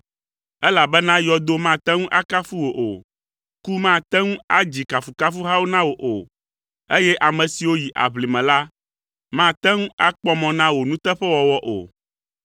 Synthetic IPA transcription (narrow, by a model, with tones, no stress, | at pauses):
ɛ˦la˨bɛ˦nã˦jɔ˦d̪o˦mã˦˨t̪ɛ˦ŋũ˦ʔa˦ka˦fu˦wo˨ʔo˨ | ku˦mã˦˨t̪ɛ˦ŋũ˦a˦d͡ʑi˨ka˨fu˨ka˦fu˦ɦa˦wo˦nã˦wo˨ʔo˨ | e˦jɛ˦ʔa˨mɛ̃˨si˨wo˦ji˨ʔa̰˨βli˨mɛ̃˨la˦ | mã˦˨t̪ɛ˦ŋũ˦a˦k͡pɔ˦mɔ̃˨nã˦wo˨nũ˦t̪ɛ˦ɸɛ˦wɔ˨wɔ˦ʔo̰˨